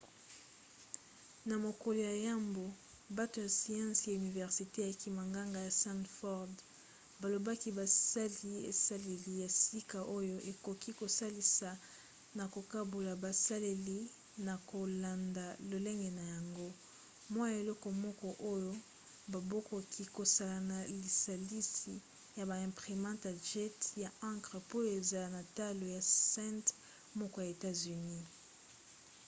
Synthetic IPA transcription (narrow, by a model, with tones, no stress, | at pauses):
na˨mo˨ko˨lo˨ja˨ja˦mbo˨ | ba˦to˨ja˨si˨ã˦sja˨y˨ni˨vɛ˨ʁsi˨te˦a˨ki˦ma˨ŋɡa˦ŋɡa˨ja˨sã˦ntfɔ˦ʁd | ba˨lo˨ba˦ki˦ba˨sa˦li˦ḛ˨sa˦le˨li˦ja˨si˦ka˨ʔo˦jo˦ʔe˨ko˨ki˦ko˨sa˦li˨sa˨ | na˨ko˨ka˦bo˨la˨ba˨sa˦le˨li˦ | na˨ko˨la˨nda˨lo˨le˦ŋɡɛ˨na˨ja˨ŋɡo˦ | mwa˦ja˨e˨lɔ˦kɔ˨mɔ˦kɔ˦ʔo˦jo˦ | ba˨bo˦ko˨kʰi˦ko˨sa˦la˨na˨li˨sa˨li˦si˨ | ja˨ba˨ɛ̃˨mpʁi˨mɑ̃˦ta˨ʒɛ˦tja˨ã˦ŋkʁə˨po˦e˨za˨lna˨ta˦lo˨ja˨sɛ̃˦nt | mɔ˦kɔ˦ja˨e˨ta˦zy˨ni˦